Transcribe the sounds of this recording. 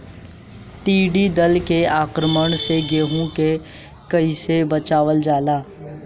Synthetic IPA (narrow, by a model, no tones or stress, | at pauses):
ʈiːɖid̪əlkeaːkɾəməɳ̃seɡeːɦõke | kɐisebət͡ʃaːʋəld͡ʒaːlaː